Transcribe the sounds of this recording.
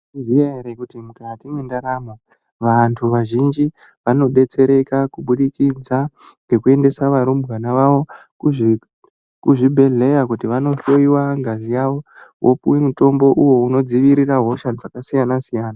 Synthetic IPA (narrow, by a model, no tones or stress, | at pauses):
zijeɦeɾekutimukatimwendaɾamwa | ʋantʰuʋaʒind͡ʒi | ʋano̞ɗe̞t͡se̞ɾe̞kakuɓuɗikid͡za | ŋɡe̞kue̞nde̞saʋaɾumbɣanaʋaʋo̞kuʐ | kuʐibʱe̞ɮe̞jakutiʋano̞ɬo̞iwaŋɡazijaʋo̞wʔo̰puwemuto̞mbo̞ʔuwo̞uno̞d͡ziʋiɾiraɦo̞ʃad͡zakasijanasijaːna